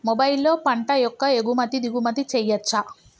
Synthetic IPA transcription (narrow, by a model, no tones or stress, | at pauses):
mobɐjlːo̞ːpɐɳʈɐjɔkːɐeɡumɐt̪id̪iɡumɐt̪it͡ʃɛjːɐt͡ʃːɐ